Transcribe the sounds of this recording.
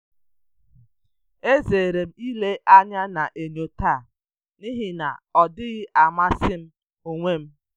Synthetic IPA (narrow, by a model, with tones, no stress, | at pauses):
e˦zeː˨ɾe˨m̩˦i˦le˦ʔa˦ɲa˦na˨ʔe˨no˨ta˦˨ | ni˦ɦɪ˦na̰˨ɔ˨dɪ˦ɣɪ˦ʔa˨ma˦sɪ˦m̩˦ | o˨ŋʷe˦˨m̩˦